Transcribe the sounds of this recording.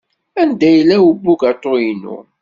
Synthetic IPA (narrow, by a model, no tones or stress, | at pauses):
ænd̪æjəlːæwəbːuɡat̪ˤːojinṵ